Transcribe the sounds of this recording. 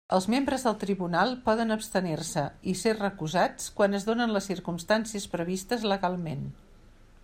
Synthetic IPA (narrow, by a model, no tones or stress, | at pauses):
əlˠzmembɾəzðəlˠt̪ɾiβunalˠpɔðənəpst̪ənersəiserrəkuzat͡skwanəzðonənləsːiɾkumst̪ansiəspɾəβist̪əzləɣalˠmen